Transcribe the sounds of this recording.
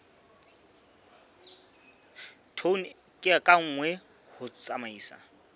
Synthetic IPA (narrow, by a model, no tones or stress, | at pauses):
tʰon | kʼɪakʼaŋ̩ːŋwɛ | hʊt͡sʼamaiːsa̰